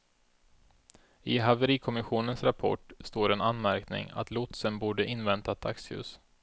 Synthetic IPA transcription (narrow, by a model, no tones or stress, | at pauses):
ɪɦavəɾiːkʰɔmɪɧuːnənsɾapʰɔ̰ʈst̪oːɾɛnanmæɾknɪ̰ŋa̰t̪lʊt̪sənbuːɖəʔɪnːvɛnt̪at̪ʰakshʉ̟̰ːs